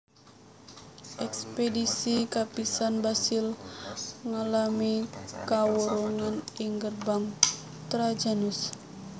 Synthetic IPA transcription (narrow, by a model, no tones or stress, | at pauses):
ʔɛkspedisikapisanbasil | ŋalamikawuɾuŋaniŋɡərbaŋ | t̪ɾad͡ʒanus